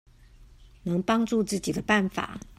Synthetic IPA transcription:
nɤ˧˥ŋpɑ˥ŋʈ͡ʂu˥˧t͡sɹ̩˥˩t͡ɕi˨˩d̪ə˦pa˥˩nfa̰˨˩˦

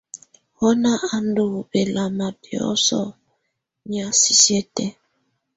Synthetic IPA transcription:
hɔ˦na˦a˨n˦do˨be˨la˨ma˨bjɔ̰˦sɔ̰˦˨ | ɲi˨a˨si˦sje˦tɛ˦

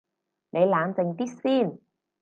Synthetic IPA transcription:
nʔe˨˧jlaː˨˧nt͡sɪ˨˧ŋt̪iː˥t̚siː˥˩n

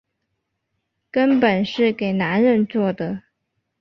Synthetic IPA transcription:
kə˥npə˨˩nʂɻ̩˥˩ke˨˩ɪna˧˥nɻə˥˧nt͡swɔ˥˩d̪ə˩

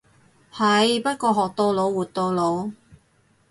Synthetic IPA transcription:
hɐ˨˧jpɐ˥t̚kɔː˧ɦɔː˨k̚t̪o˧lo˨˧wwuː˨˩t̚t̪o˧wlo˨˧w

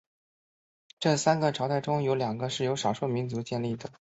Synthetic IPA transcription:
ʈ͡ʂɤ˥˩sa˥nɡə˨ʈ͡ʂʰɑ˧˥ʊt̪a˥˩ɪʈ͡ʂʊ˥ŋjo˧˥ʊljɑ˨˩ŋɡə˦ʂɻ̩˥˩jo˧˥ʊʂɑ˨˩ʊʂwɔ˥˩mi˧˥nt͡su˧˥t͡ɕjɛ˥˧nli˥˩d̪ə˩

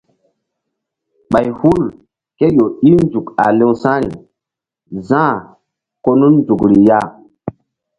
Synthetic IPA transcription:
ɓa˨jhu˦l | ke˦jo˨i˦nd͡ʒu˨ka̰˨le˦wsã˦ɾḭ˨ | zã˦˨ | ko˦nu˦nnd͡zu˨kɾi˨ja˦˨

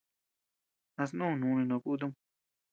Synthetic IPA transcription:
ã˧s̬nũ˦˨nũ˨˧nĩ˧nõ˧ku˦t̪̬u˦m

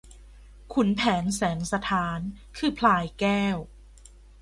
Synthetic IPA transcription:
kʰu˩˦npʰɛː˩˦nsɛː˩˦ŋsa˧t̪ʰaː˨˦n | kʰɯː˧pʰlaː˧jkɛː˥˩w

